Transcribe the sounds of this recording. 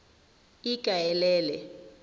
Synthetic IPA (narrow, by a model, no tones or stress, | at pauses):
ikʼajɛlɛːlɛ